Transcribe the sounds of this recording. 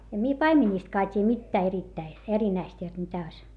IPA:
em mie pɑimenʲiˑstkɑː tʲiːj̆æ̆ mitːæː eritːæi erinæist jot mitæ oĭs

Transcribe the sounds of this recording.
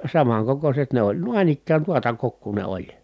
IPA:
sɑmɑŋkokoset ne olʲ nuɑĭn ikːæːn tuotɑ kokːuː ne olʲ

